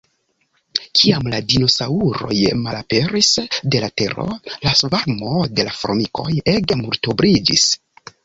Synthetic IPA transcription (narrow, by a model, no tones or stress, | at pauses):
kʰiamladino̞sauɾo̞̰jmalape̞ɾisde̞late̞ɾo̞̰lasvaɾmo̞de̞lafɾo̞miko̞je̞ɡemuɾtobɾid͡ʒḭs